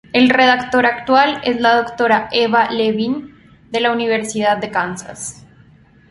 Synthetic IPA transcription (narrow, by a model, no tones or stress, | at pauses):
e̞lre̞ð̞akt̪o̞ɾakt̪wale̞zlaðo̞kt̪o̞ɾaʔeβaleβin | d̪e̞launiβ̞e̞ɾsiðaðːe̞kansa̰s